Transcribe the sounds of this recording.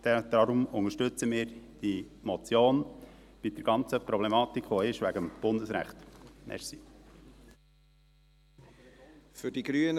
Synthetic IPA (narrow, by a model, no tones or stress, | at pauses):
d̪̥ɛd̥̪ɑɾʊmʊŋəʃtʏt͡səmɪːɾd̥i | mɔt͡sjoːn | b̥ɪdəɾɡ̥ɑnt͡səpɾɔblemɑːt̪ikχʋoɪʃʋæɡəmb̥ʊndəsɾæ̰χt̪mʔɛ̰ɾsi | fʏɾd̥iɡɾyən